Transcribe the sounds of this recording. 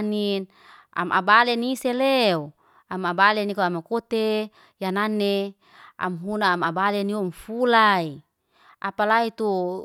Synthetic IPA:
nin | a̰mʔa̰baleniseleo | amabalenikoamakot̪e | jananːe | a̰mɦunaːmabaleniomfulai | apalait̪u

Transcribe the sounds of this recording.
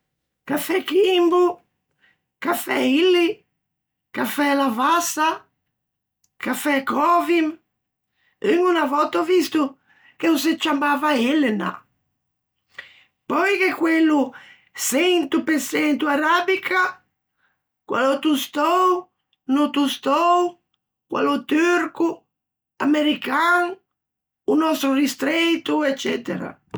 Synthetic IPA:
kafɛkimbu | kafɛ̰ilːi | kafɛlavasa | kafɛkɔvim | əŋunavɔt̪ːɔvist̪u | keus̬et͡ʃːambavaelːena̰ | pɔjk̟ekwelːu | sent̪upesɛnt̪uaɾabikʰa | kwa̰lot̪ust̪ɔw | nut̪ust̪ɔw | kwa̰lut̪yɾku | ameɾikaŋ | unɔst̪ɾurist̪ɾet̪uɛt͡ʃːɛt̪eɾa̰

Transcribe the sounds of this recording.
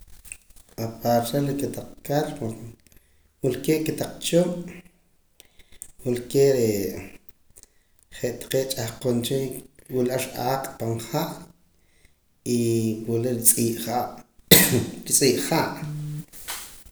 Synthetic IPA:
apaɾsaliket̪aq͡χkaɾa | wulkeʔket̪aq͡χt͡ʃoʔ | wulkeɾe | χeʔt̪ḁqeːʔt͡ʃʼahqont͡ʃiwilaʃʔaːqʼpaɴχaʔ | iwwuleɾit͡sʼiːʔaʔ | ɾit͡sʼiːʔχaːʔ

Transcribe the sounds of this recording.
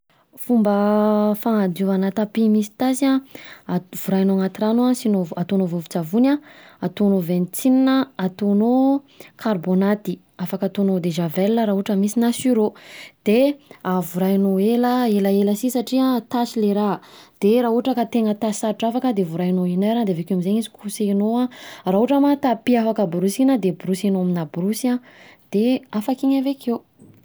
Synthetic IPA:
fumbəfaŋad̪uvanat̪apimisi̥t̪asia | v̥uɾajnoaŋat̪iranuasinovat̪onovovut͡savunʲaat̪onovent͡sininəat̪ono | kʰarbonat̪i | afakat̪onod̪eʒavɛlnəɾaɦuʈ͡ʂəmisinasyɾod̪̥eavuɾanoeləeləeləsisaʈ͡ʂiat̪asileɾad̪̥eɾaɦuaʈ͡ʂəkat̪eŋət̪asaɾiʈ͡ʂafakəd̪evuɾainoinaɾand̪eavekeamizeɲizi̥kʰusenoaraɦuʈ͡ʂəmat̪apiafakəbuɾusinəd̪ebuɾusenoaminabuɾusãd̪̥eafakiɲavekʰew

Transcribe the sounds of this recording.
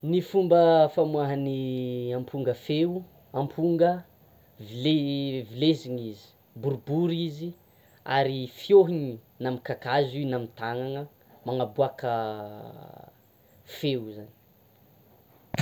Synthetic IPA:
nifumbəfamuaɦaniampʰuŋɡəfeu | ampʰuŋɡə | vilevileziɲizi̥ | buɾbuɾizi | a̰ɾifjoɦiɲi | namikakazinamit̪aŋaŋə | maŋabuakə | fewzani̥

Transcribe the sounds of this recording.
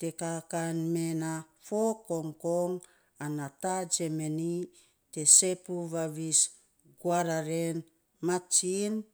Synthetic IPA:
te̞kakanmenafokoŋkoŋ | anatad͡ʒemeni | te̞sepuβaβis | ɡwaɾaɾen | mat͡ʃin

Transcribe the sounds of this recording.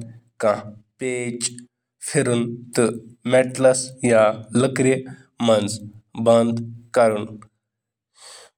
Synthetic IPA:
kãpeːt͡ʃ | fʰiɾunt̪ɨmɛʈlɐsjaləkɾi | mɐnzbɐnd̪kɐɾun

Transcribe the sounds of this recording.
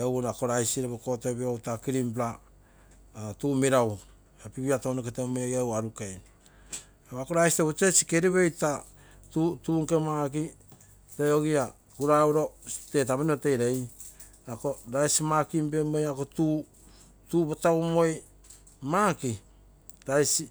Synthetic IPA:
ewɾako̞ɾajsiɾeβoko̞topeowtakiɾimplaː | tuːmeɾaw | apiβiatonoketemejojawaɾukeajn | awako̞ɾajsiteβot͡ʃet͡ʃi̥keɾiβeojta | tutuːŋkemaki | teoɡia | kuɾawɾote̞taβeniote̞jɾej | ako̞ɾajsimakimpemojako̞tu | tuːbotawmo̞j | maki | ɾajsi

